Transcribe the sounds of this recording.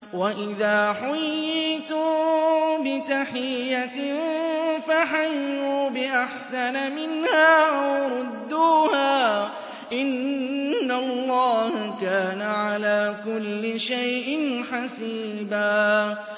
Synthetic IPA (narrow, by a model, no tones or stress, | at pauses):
waʔɪðaːħʊjːɪt̪u | bɪt̪aħɪjjːa | faħajːuːbɪʔaħsanamɪnhaːʔawɾˤʊd̪ːuːhaː | ʔɪnː | alˤːɑːhakaːnaʕalaːkʊlːɪʃajʔɪnħasiː | baː